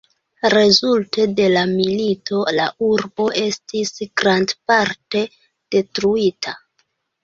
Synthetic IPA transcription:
ɾe̞zulte̞de̞lamilito̞la̰ʔuɾbo̞ʔe̞stisɡ̥ɾandpaɾte̞ | d̥e̞tɾuitʰa

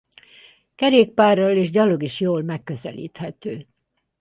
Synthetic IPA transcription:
kɛɾeːk̚paːrːɒleːʒɟɒloɡiʃjoːlmɛkːøzɛ̰lḭːt̪hɛt̪øː

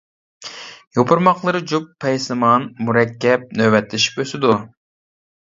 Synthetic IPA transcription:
jopʰuɾmɑqlˠɨɾɨd͡ʒupːɛjsɨmɑnmuɾɛkʲːɛp̚nøwɛt̪lɪʃi̥pøsɪd̪u

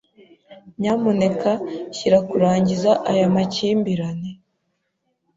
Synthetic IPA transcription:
ɲamone̞kaçiɾakuɾaːɲɟizaʔajamaciːmbiɾane

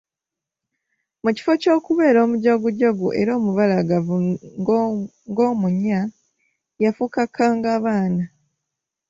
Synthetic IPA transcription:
muci̥fo̞co̞ːkuβe̞ːɾo̞ːmuɟoɡuɟoɡṵʔe̞̰ɾo̞ːmuβalaɡavu | ŋɡo̞ːmuɲa | jafukakʰːaːŋɡaːβaːna

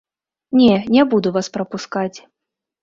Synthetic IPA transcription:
nʲɛnʲɛbud̪uvaspɾɐpuskat͡sʲ

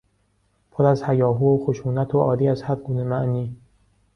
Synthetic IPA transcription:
pʰoɾæzhæjɒːɦuːxoʃuːnæt̪ʰoʔɒːd̪iːæzhæɾɡuːne̞mæʔniː

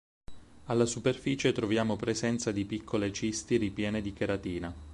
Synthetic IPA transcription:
alːasuperfiːt͡ʃet̪ɾovjaːmopɾezɛnt̪sad̪ipikʰːolet͡ʃist̪iɾipjɛːned̪ikeɾat̪iːna

